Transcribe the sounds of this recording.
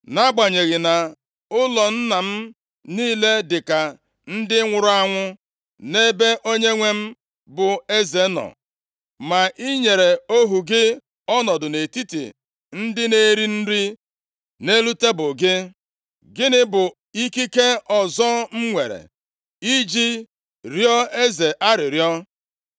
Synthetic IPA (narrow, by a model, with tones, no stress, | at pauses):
na˦ɡ͡ba˨ɲe˨ɣɪ˨na˨ | ʊ˦lɔ˨n̩˦na˨m̩˦ | niː˦le˦dɪ˨ka˨ | n̩˦dɪ˦ŋʷʊ˨ɾʊ˦a˦ŋʷʊ˦ | ne˦be˦ʔo˦ɲe˦ŋʷe˦m̩˦ | bʊ˨e˦ze˨˦nɔ̰˨ | ma˨ʔi˦ɲe˨ɾe˨o˦ɦu˨ɡɪ˦ | ɔ˦nɔ˨dʊ˨ne˨ti˦tḭ˨ | n̩˦dɪ˦ne˦ɾi˦n̩˦ɾi˦ | ne˦lu˦te˦bʊ˨ɡɪ˦ | ɡɪ˦nɪ˦bʊ˨ | i˦ki˦ke˦ɔ˨zɔ˦m̩˦ŋʷe˨ɾḛ˨ | i˦d͡ʒi˦ | ɾjɔ˦e˦ze˨ʔa˦ɾɪ˨ɾjɔ˦